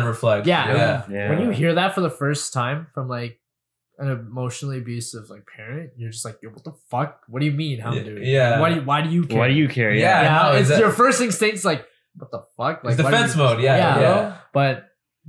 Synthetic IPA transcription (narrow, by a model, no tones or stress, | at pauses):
nəflɛjææwɨ̃njɨɦiɹðɨtfə˞ðəfɜ˞stʰãɪ̃ɱfɹʌ̃mlaɪk̚ | ɨ̃nɨmoʊʃn̩l̩ˠiɨbjʉsʌvlaɪk̚pʰɛɹɨ̃nt̚jə˞d͡ʒʌst̚laɪk̚jəɪb̩tˠtəfʌk̚wʌt̚d̥ɨjɨmĩnhaʊdʉɪæwʌdɨwaɪɾɨjɨkʰʌdɨjɨkʰɛɹijænanʊɪsjə˞fɜ˞stɪ̃ŋstẽɪ̃ntslaɪk̚ | wʌt̪̚ðəfʌk̚laɪkdɨwfɛ̃nsmoʊdjæjææb̥ʌt̚